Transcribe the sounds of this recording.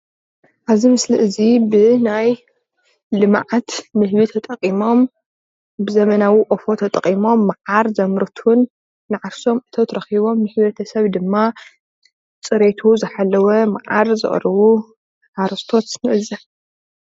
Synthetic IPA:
ʔaβzimɨsliʔɨzibɨnaj | lɨmaʕat̪mɨhmit̪ʰɐt̪ʼɐqʼːimo̞m | bɨzɐmɐnawiʔʼofot̪ʰɐt̪ʼɐqʼimo̞mːaʕaɾzɐmɾɨt̪ʰunː | ɨʕaɾso̞mɨt̪ʰɐt̪ʰɾɐxiβo̞mːɨħβɐt̪ʰɐsɐβd̪ɨmːa | t͡sʼɨɾet̪ʰuzɨħalːɐwɐmaʕaɾzɨ̰χʼɾɐβu | ħaɾɐst̪ʰo̞t̪ɨnɨʔɨzɐħ

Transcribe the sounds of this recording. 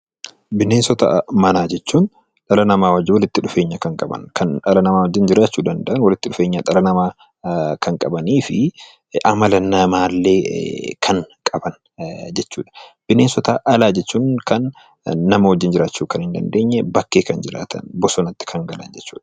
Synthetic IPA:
bɪneːnsɔt̪ɐ̰mɐnaːd͡ʒɛt͡ʃːuːn | ᶑɐlɐnɐmaːwɐd͡ʒːɪwɔlɪt̪ːɪᶑʊfe̞ːɲːɐkɐŋkʼɐbɐ̰nkɐnᶑɐlɐnɐmaːwɔd͡ʒːɪnd͡ʒɪɾaːt͡ʃːuːd̪ɐnd̪ɐʔɐnwɐlɪt̪ːɪᶑʊfe̞ːɲːɐᶑɐlɐnɐmaː | kɐŋkʼɐbɐniːfɪ | ʔɐmɐlɐnɐmaːlːe̞ːkʰɐŋkʼɐbɐn | d͡ʒɛt͡ʃːuːᶑɐ̥b̥ɪneːnsɔt̪ɐʔɐlaːd͡ʒɛt͡ʃːuːŋkɐnː | ɐmɐwɔd͡ʒːɪnd͡ʒɪɾaːt͡ʃːuːkɐnhɪnd̪ɐ̰nd̪eːɲːɛbɐkːe̞ːkɐnd͡ʒɪɾa̰ːt̪ʰɐ̰nbɔsɔnɐt̪ːɪ̥kʰɐŋɡɐlɐ̰nd͡ʒɛt͡ʃːuːᶑɐ̥

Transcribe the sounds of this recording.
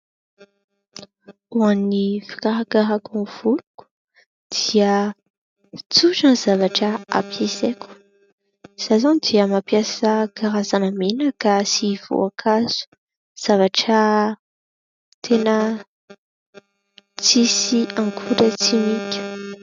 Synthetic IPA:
uanːifi̥kaɦakaɦakunv̥uluku̥ | d̪̥iə | t͡suʈ͡ʂəniz̥avaʈ͡ʂəa̰pjesekʲu̥ | z̥azand̪iəmapjasəɡaɾazanəmenakasiv̥o̰akʰaz̥u̥ | z̥avaʈ͡ʂə | t̪ʰenə | t͡sisiaŋkʰuɾət͡simitu̥

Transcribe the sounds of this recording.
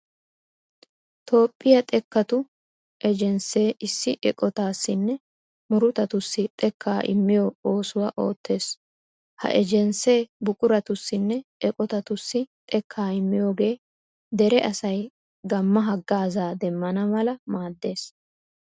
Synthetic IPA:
t̪o̞ːpʼːɪjɐt̪ʼɛkːɐt̪ʊ | ʔɛd͡ʒɛnse̞ːʔɪsːɪʔɛkʼɔt̪aːsːɪnːɛ | mʊɾʊt̪ɐt̪ʊsːɪt̪ʼɛkʰːaːʔɪ̰mːɪjoo̞ːsʊwɐʔo̞ːt̪ːe̞ːs | hɐ̰ʔɛd͡ʒɛnse̞ːbʊkʼʊɾɐt̪ʊsːɪnːɛʔɛkʼɔt̪ɐt̪ʊsːɪt̪ʼɛkʰːaːɪmːɪjo̞ːɡe̞ː | d̪ɛɾɛʔɐsɐj | ɡɐmːɐɦɐɡːaːzaːd̪ɛmːɐnɐmɐlɐmaːd̪ːe̞ːs

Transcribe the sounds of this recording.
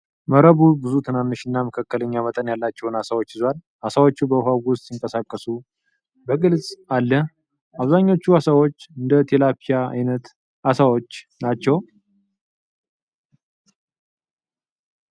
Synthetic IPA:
məɾəβubɨzut̪ʰɨnanːɨʃɨnːaməkʰakːələɲːamət̪ʼənjalːat͡ʃːɛwnasawot͡ʃːhɨzal | asawo̞t͡ʃːubəɦaɡwʊst̪ʼjɪŋkʼəsakʼːəsu | bəɡɨlzʼalːə | aβzaɲːo̞t͡ʃːuasawo̞t͡ʃːɨnd̪ət̪ʰelapʰijaa̰jnət̪ | asawo̞t͡ʃː | nat͡ʃːɛw

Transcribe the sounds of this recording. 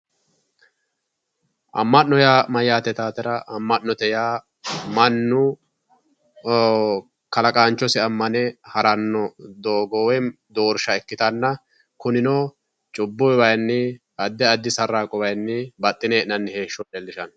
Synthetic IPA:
ʔɐ̰mːɐnːɔjaːmɐjːaːt̪ɛt̪aːt̪ɛɾɐʔɐmːɐnːɔt̪ɛjaː | mɐnːʊ | kɐlɐkʼaːnt͡ʃːɔsɪɐmːɐnɛhɐɾɐnːɔd̪oːɡɔwɛ | d̪oːɾʃɐɛkːɪt̪ɐnːɐ | kʊnɪnɔː | t͡ʃʼʊbːɔjwɐjnːɪ | ɐd̪ːɛɐd̪ːɪsɐɾːaːkʼɔbɐjnːɪbɐt̪ʼːɪneːʔɪnɐnːɪheːʃːɔtɛlːɪʃɐn

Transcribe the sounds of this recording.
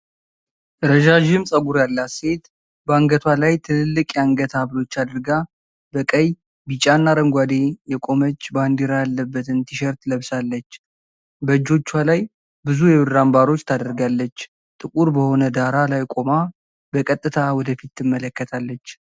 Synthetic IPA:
ɾəʒaʒɪmsʼəɡuɾjalːase̞t̪ | bəaŋɡət̪ʰwalajt̪ʰɨnɨlːɨkʼjaŋɡət̪ʰaβlo̞t͡ʃːad̪ɨɾɡa | bəkʼəj | bit͡ʃʼanːaɾəŋɡʷad̪e̞jɛkʼo̞mət͡ʃːband̪iɾajalːəbːət̪ɨnt̪ʰiʃɛɾt̪ləβsalːət͡ʃː | bəd͡ʒo̞t͡ʃːwalaj | bɨzujɛβɨɾːambaɾo̞t͡ʃːt̪ʰad̪əɾɡalːət͡ʃː | t̪ʼɨkʼuɾbəho̞nəd̪aɾalajkʼo̞ma | bəkʼət̪ʼːɨt̪ʰawɔd̪əfit̪ːɨmːələkːət̪ʰalːət͡ʃː

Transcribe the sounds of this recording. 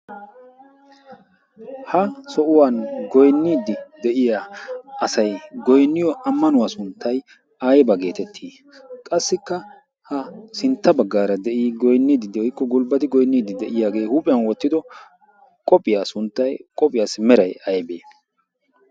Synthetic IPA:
hɐsɔʔʊwanɡɔjnːiːd̪ɪd̪ɛʔɪjaɐsɐjɡɔjnːɪjɔʔɐmːɐnʊwaːsʊnt̪ːɐj | ɐjbɐɡe̞ːt̪ɛt̪ʰːiː | kʼɐsːɪkːɐ | hɐsɪnt̪ːɐbɐɡːaːɾɐd̪ɛʔiːɡɔjnːiːd̪ɪd̪ɛjkːɔɡʊlbɐt̪ɪɡɔjnːiːd̪ɪd̪ɛʔɪjaːɡe̞ːhuːpʼɪjɐnwɔt̪ːɪd̪ɔ | kʼɔpʼːɪjaːsʊnt̪ːɐjkʼɔpʼɪjaːsɪmɛɾɐjɐjbeː

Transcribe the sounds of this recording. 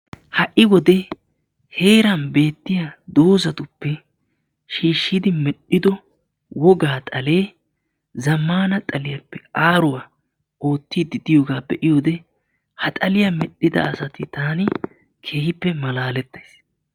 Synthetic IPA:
hɐʔɪwɔd̪ɛ | he̞ːɾɐnbe̞ːt̪ːɪjad̪o̞ːzɐt̪ʊpːɛ | ʃiːʃːɪd̪ɪmɛɗːɪd̪ɔ | wɔɡaːt̪ʼɐle̞ː | zɐmːaːnɐt̪ʼɐlɪjɐpːɛkʼaːɾʊwaː | o̞ːt̪ːid̪ɪd̪ɪjo̞ːɡaːbɛʔɪjo̞ːd̪ɛ | hɐt̪ʼɐlɪjamɛɗːɪd̪ɐ̰ːsɐt̪ɪt̪aːnɪ | kʰe̞ːhɪpːɛmɐlaːlɛt̪ːɐjs

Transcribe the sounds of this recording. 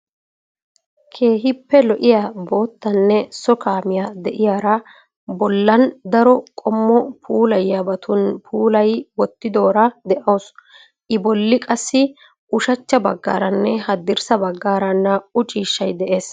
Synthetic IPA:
kʰe̞ːɦɪpːɛlɔʔɪjaːbo̞ːt̪ːɐnːɛsɔkaːmɪjaːd̪ɛʔɪjaːɾɐ | bɔlːɐnd̪ɐɾɔkʼɔmːɔpʰuːlɐjːabɐt̪ʰʊnpʰuːlɐjwɔt̪ːɪd̪o̞ːɾɐd̪ɛʔoːs | ʔɪbɔlːɪkʼɐsːɪ | ʔʊʃɐt͡ʃːɐbɐɡːa̰ːɾɐnːɛhɐd̪ɪɾsɐbɐɡːaːɾɐnːɐʊt͡ʃʼiːʃːɐjd̪ɛʔe̞ːs

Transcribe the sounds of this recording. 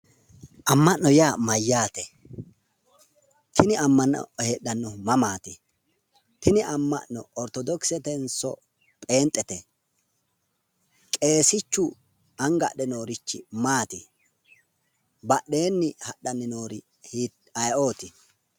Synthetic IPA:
ʔɐmːɐʔnːɔjaːmɐjːaːt̪ɛ | t̪ʰɪnɪɐmːɐnːɔ̰heːɗɐnːɔmɐmaːt̪ɪ | t̪ɪnɪʔɐmːɐ̰ʔːɔɔɾt̪ɔd̪ɔksɛt̪ɛnsɔ̰ | pʼe̞ːnt̪ʼːɛt̪ɛ | kʼe̞ːsɪt͡ʃːʊ | ɐŋɡɐ̰ɗɛno̞ːɾɪt͡ʃːɪ̰maːt̪ɪ | bɐɗe̞ːnːɪhɐɗːɐnːɪno̞ːɾɪ | hiː | ɐjʔo̞ːt̪ɪ

